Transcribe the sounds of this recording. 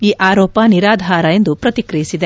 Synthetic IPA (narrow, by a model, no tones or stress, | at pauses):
iːʔaːɾɔːpɐniɾaːd̪ʱaːɾɐe̞nd̪upɾɐt̪ikɾijisid̪e̞